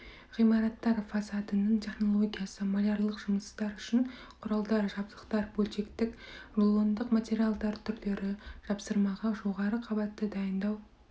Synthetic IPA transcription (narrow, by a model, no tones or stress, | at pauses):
ʁijmɑɾɑt̪ːɑɾfɑsɑd̪ənəɴt̪ʲʰe̞χno̞lˠoɡʲijasəmalʲaɾlˠəqʒʊməst̪ɑɾʏʃɪn | qʰʊɾɑlˠd̪ɑɾʒɑb̚d̪əqt̪ɑɾbɵlʃe̞kt̪ɪkrlˠond̪əqmat̪ʲe̞ɾialˠd̪ɑɾt̪ʰʏɾd̪e̞ɾɪʒ̥ɑpsəɾmɑʁɑʒo̞ʁɑɾəqʰɑbɑt̪ːəd̪ɑjənd̪ɑw